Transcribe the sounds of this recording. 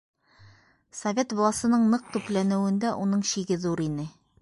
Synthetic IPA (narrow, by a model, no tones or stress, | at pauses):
sɐvʲet̪bolˠɑsɤ̆nɤɴnɤq̚t̪ʉplænɘ̆wɘ̆nd̪æʔunɤɴɕiɡɘðuɾinɘ